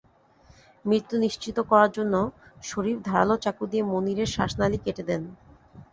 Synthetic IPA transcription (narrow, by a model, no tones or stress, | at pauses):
mɾit̪ːuniʃt͡ɕit̪okɔɾaɾd͡ʑonːoʃoɾifd̪ʱaɾa̰lot͡ɕakud̪iemoniɾeɾʃaʃnalikeʈed̪ɛn